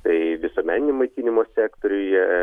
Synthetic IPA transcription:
t̪ɐɪʋʲɪsoɔmʲæːnʲɪnʲɛmɐɪkʲiːnʲɪmoːsʲæːkt̪oːɾʲʊjjɛ

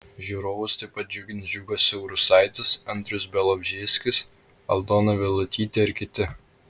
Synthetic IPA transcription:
ʒʲuːɾoːʋʊst̪ɐɪpɐt̪̚d͡ʒʲʊɡʲɪnd͡ʒʲuːɡosʲɛʊɾʊsɐɪt̪ʲɪsɐnʲt̪ʲɾʲʊsbʲɛlˠɔbʲʒʲeːsʲkʲɪs | ɐ̰lˠd̪oːnɐʋʲɪlˠʊt̪ʲiːt̪ʲeɪɾkʲɪt̪ʲɪ

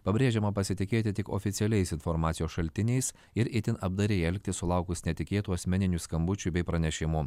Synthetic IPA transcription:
pɐbʲɾʲeːʒʲɛmɐpɐsʲɪt̪ʲɪkʲeːt̪ʲɪt̪ʲɪko̰ːfʲɪt̪sʲɪɛlʲɛɪsɪnfɔɾmɑːt̪sʲɪjoːsʃɐlʲt̪ʲɪnʲɛɪs | ɪɾɪt̪ʲɪnɐb̚d̪ɐɾʲeɛlʲk̚ʲt̪ʲɪssʊlˠɑˑʊkʊsnʲɛt̪ʲɪkʲeːt̪uːɐsʲmʲɛnʲɪnʲuːskɐmbʊt͡ʃʲubʲɛɪpɾɐnʲɛʃʲɪmʊ

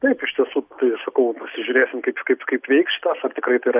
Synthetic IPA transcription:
t̪ɐɪpɪʃʲt̪ʲiɛsuːt̪ɐɪsɐkɐʊpɐsʲɪʒʲʊɾʲeːsʲɪmkɐɪpkɐpkɐɪpʋʲɛɪksʃʲɪ̥t̪ɐːsɐrt̪ʲɪkɾɐɪt̪ɐɪɾɐ

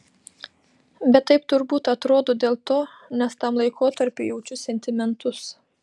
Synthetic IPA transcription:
bʲɛt̪ːɐɪp̚t̪ʊɾbuːt̪ɐt̪ɾoːd̪oːd̪ʲeːlˠt̪oː | nʲɛst̪ɐmlˠɐɪkʰoːt̪ɐɾʲpʲejɛʊt͡ʃʲʊsʲɛnʲt̪ʲɪmʲɛnt̪ʊs

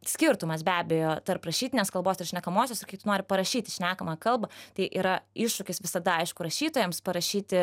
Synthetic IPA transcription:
sʲkʲɪɾt̪ʊmɐsbʲæːbʲɛjoːt̪ɐɾprɐʃʲiːt̪ʲɪnʲeːskɐlˠboːsɪrʃʲnʲɛkɐmoːsʲoːsɪrkɐɪt̪ʊnoːɾʲɪpɐɾɐʃʲiːt̪ʲɪʃʲnʲæːkɐmɑːkɐlˠbɐt̪ɐɪʔiːɾɐɪʃʃʊkʲɪsʋʲɪsɐd̪ɐɐɪʃkʊɾɐʃʲiːt̪oːjɛmspɐɾɐʃʲiːt̪ʲɪ

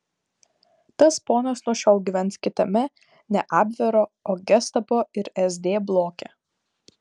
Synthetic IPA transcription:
t̪ɐspoːnɐsnuɔʃʲɛʊɡʲiʋʲɛnt̪skʲɪt̪ɐmʲɛ | nʲɛʔɑːbʲʋʲɛɾoːoːɡʲɛst̪ɐpoːɪɾɛzʲd̪ʲeːblˠoːkʲɛ

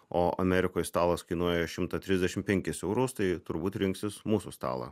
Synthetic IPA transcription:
oːʔɐ̰mʲɛɾʲɪkoːjst̪ɑːlˠɐskɐɪnuɔjɛʃʲɪmt̪ɐt̪ʲɾʲɪzʲd̪ʲɛʃʲɪmpʲɛŋʲkʲɪsɛʊɾoʊst̪ɐɪt̪ʊɾbuːt̪ɾʲɪŋksʲɪsmuːsust̪ɑ̰ːlˠɐ̰ː

